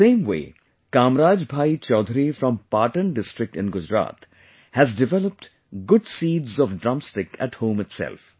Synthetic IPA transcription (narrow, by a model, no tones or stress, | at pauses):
ẽːmwḛː | kaːmɾaːd͡ʒbʱaːit͡ʃɔːd̪ʱɾifɾɔ̃mpaːʈə̃nɖɪsʈɾɪk̚ʈɪ̃nɡʊd͡ʒɾa̰ːt̪ | hæzɖɪʋɛləp̚ʈ | ɡʊɖsiːɖzɔʋɖɾamsʈɪkʰæ̰ʈhõːmɪʈsɛ̰lf